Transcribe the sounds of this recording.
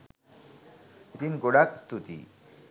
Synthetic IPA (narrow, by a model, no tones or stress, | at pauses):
it̪inɡoɽakst̪ut̪ḭ